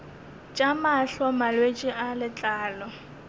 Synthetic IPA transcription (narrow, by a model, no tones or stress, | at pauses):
t͡ʃʼamaɬɔmalwet͡ʃʼɪʔalɪt͡ɬʼaːlɔ